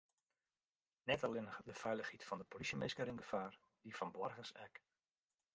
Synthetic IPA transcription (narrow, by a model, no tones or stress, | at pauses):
nɛtɑlɪndəfɛjləxitfɑndəpolisjəmejskəɾinɡəfaːr | difɑnbɔrɣəsɛ̰k